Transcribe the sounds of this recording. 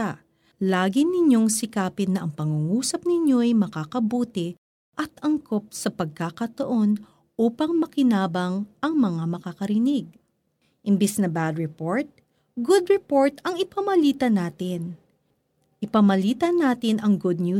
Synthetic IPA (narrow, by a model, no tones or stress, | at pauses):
a | laːɡɪnɪɲjo̞ŋsɪkaːpɪnːɐʔɐŋpɐŋuŋuːsɐp̚nɪɲjo̞ʔɐjmɐkaːkɐbuːt̪ɪ | ʔɐt̪ɐŋko̞p̚sɐpɐɡ̚kakɐt̪oʔo̞n | ʔuːpɐŋmɐkɪnaːbɐŋʔɐŋmɐŋamɐkakɐɾɪnɪɡ̚ | ʔɪmbɛsnɐbad̪ɹɪpoɹt̪̚ | ɡʊd̪ɹɛpo̞ɹt̪ɐŋɪpɐmɐliːt̪ɐnaːt̪ɪn | ʔɪpɐmɐliːt̪ɐnaːt̪ɪnɐŋɡʊd̪̚nju